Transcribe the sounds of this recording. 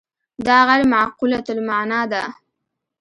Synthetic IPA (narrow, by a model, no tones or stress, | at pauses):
d̪ɑɣajɾmaʕqulat̪ʊlmaʕnɑd̪a